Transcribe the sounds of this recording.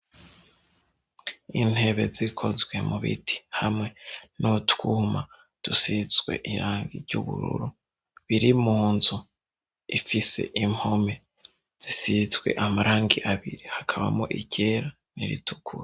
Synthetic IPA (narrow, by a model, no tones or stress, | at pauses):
in̥he̞βe̞̰zikʰo̞zɡwe̞muβḭtʰi̥hamŋe̞nutkuːma | d̥usizɡwe̞̰ʔiɾaːŋɡiɾɟṵβuɾṵɾu | βiɾimuːnzu | ifise̞̰ʔim̥ho̞me̞ | z̥isizɡwe̞̰ʔamaɾʔaːŋɡiʔaβiɾihakʰaβa̰moʔiɟe̞ɾa | niɾḭtʰukʰuɾ